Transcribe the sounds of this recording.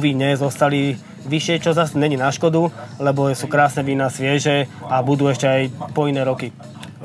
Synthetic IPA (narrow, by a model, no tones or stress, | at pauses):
ʋiɲɛzɔst̪ali | ʋiʃɪɛt͡ʃɔzasɲɛɲiːnaʃkɔd̪ulɛbɔsuːkɾaːsnɛʋiːnasʋɪɛʒɛabud̪uːɛʃcɛajpɔinɛːɾɔki